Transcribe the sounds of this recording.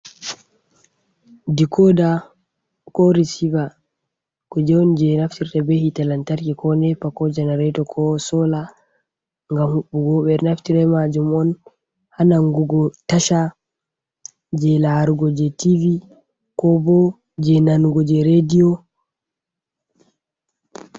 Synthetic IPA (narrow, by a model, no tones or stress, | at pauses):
dikʰɔda | kɔɾisiva | kɔd͡ʒɛɔnd͡ʒɛnaftiɾtabɛhitalantaɾkikɔnɛpakɔd͡ʒɛnɛɾɛtɔkʰɔsɔla | ŋɡamhuɓːuɡɔɓɛɾnaftiɾɛmad͡ʒumɔn | hanaŋɡuɡɔtaʃa | d͡ʒɛlaɾuɡɔd͡ʒɛtivi | kɔbɔ | d͡ʒɛnanuɡɔd͡ʒɛɾediɔ